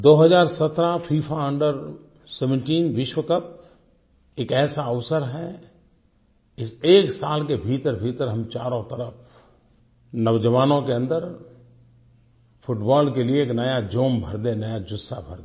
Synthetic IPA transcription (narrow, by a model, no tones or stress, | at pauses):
d̪oːɦəzaːɾsɐt̪ɾapʰiːpʰaə̃ɳɖəɾ | sɛʋə̃ɳʈiːnʋɪʃwəkəp̚ | eːkɛːsaəʋsəɾɦɛ | ɪseːksaːlkebʱiːt̪əɾbʱiːt̪əɾɦɐmt͡ʃaːɾɔ̃t̪əɾəp | nɐʋd͡ʒəʋaːnõkeə̃nd̪əɾ | pʰʊʈbɔːlkelieeːknɐjad͡ʒoːmbʱɐɾd̪enɐjad͡ʒʊsːa̰bʱəɾd̪e